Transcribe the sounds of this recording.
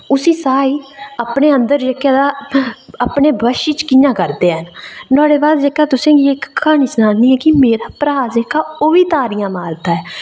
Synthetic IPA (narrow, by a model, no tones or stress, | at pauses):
ʊsĩːsaːiːaːpneːənd̪əɾd͡ʒəkːjaːd̪aːapneːbəʃiːt͡ʃkijãːkəɾd̪eːənnãːɽeːbaːd̪d͡ʒeːkaːt̪ʊsẽːɡiːɪkʰːaːɽ̃iːsənãːnniːɦɛːkɪmeːɾaːpɾaaːzeːkːaːoːʋiːt̪aːɾijãːmaːɾd̪aːɛː